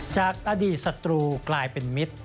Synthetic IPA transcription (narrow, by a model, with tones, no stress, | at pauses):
t͡ɕaː˨˩k̚ʔa˧diː˨˩t̪̚sa˧t̪ɾuː˧klaː˧jpe˧nmi˦˥t̪̚